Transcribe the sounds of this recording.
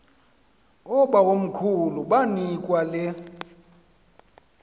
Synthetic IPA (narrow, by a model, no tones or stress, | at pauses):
ɔɓawom̩kʰuluɓanikʼwalɛ